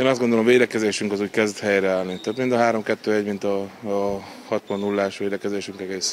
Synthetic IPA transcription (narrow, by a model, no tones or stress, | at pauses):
eːnɒzd̪ɡo̞nd̪olo̞mveːd̪ɛkɛzeːʃyŋkɒzuːckɛzd̪hɛjrɛaːlnit̪øbmind̪ɒɦaːɾo̞mkɛt̪ːøːɛɟmint̪ɒ | hɒt̪mɒnːulːaːʃʋeːd̪ɛkɛzeːʃyŋkɛɡeːs